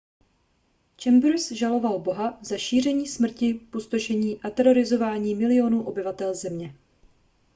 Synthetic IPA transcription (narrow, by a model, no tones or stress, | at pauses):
t͡ʃɛmbɾsʒalo̞valbo̞ɦazaʃiːrɛɲiːsmr̩cɪpost̪oʃɛɲiːʔat̪ɛɾo̞ɾɪzo̞vaːɲiːmɪlɪo̞nuːʔo̞bɪvat̪ɛlzɛmɲɛ